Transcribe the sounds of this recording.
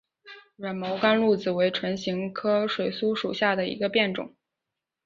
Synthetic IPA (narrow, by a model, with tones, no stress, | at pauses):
ɻə˨˩nmo˧˥ʊka˥nlu˥˩d͡zɹ̩˩we˧˥ɪʈ͡ʂʰwə˧˥nɕi˧˥ŋkʰɤ˥ʂwe˨˩ɪsu˥ʂu˨˩ɕja˥˩d̪ə˩ḭ˧˥ɡə˧pjɛ˥˩nʈ͡ʂʊ̰˨˩˦ŋ